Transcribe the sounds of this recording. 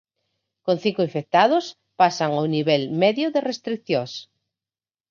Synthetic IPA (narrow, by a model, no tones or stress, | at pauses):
kõnθiŋkʊĩɱfek̚t̪aðʊs | pasaŋawniβɛlmɛðjʊðerest̪ɾikθjõs